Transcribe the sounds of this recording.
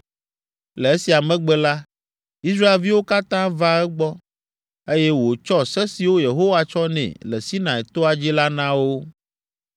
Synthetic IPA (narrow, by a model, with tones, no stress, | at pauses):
le˨e˦si˨a˨mɛ̃˦ɡ͡bɛ˦la˦ | i˦s̬ɾa˦e˨lvi˦wo˦ka˦t̪ã˦va˦ɛ˦ɡ͡bɔ˦ | e˦jɛ˦wo˨t͡ʃɔ˦sɛ˦si˨wo˦je˨ɦo˦wa˦t͡ʃɔ˦nɛ̰̃˨lɛ˨si˦nã˨ɛ˨t̪o˦a˨d͡ʑi˦la˦nã˦wo˦